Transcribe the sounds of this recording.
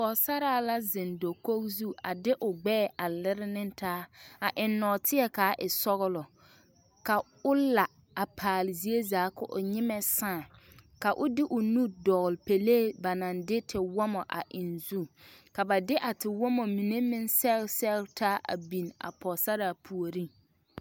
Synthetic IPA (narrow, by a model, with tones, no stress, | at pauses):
pɔ˨sa˦ɾaː˦˨la˦zɪ˨ndo˨ko˦kzu˦a˨dɪ˦ʔʊ˨ɡ͡bɛː˦˨a˨lɪ˦ɾɪ˦nɪ̃˦tʰaː˦a˨ʔɪ˨nːɔ˨tɪ˦ɛ˦kaː˨˦ʔɪ˨sɔ˦ɣʊ˦lɔ˨ | ka˨ | ʊ˦la˨ | a˨pʰaː˨lzi˦e˦zaː˨˦kʊ˨ʔʊ̰˨ɲɪ˦mɛ˨sãː˦˨ka˨ʔʊ˦dɪ˦ʔʊ˨nu˦dɔ˨ɣlpe˨leː˦˨ba˨nã˨ndɪ˦tʰɪ˨wɔ˦mɔ˨ʔa̰˨ʔɪ˨nzu˦ka˨ba˨dɪ˦ʔa˨tɪ˨wɔ˦mɔ˨mi˨ne˦mɪ̃˦nsɛ˦lsɛ˦tʰaː˦ʔa̰˨bi˨na̰˨pɔ˨sa˦ɾaː˨pʰu˨o˨ɾi˦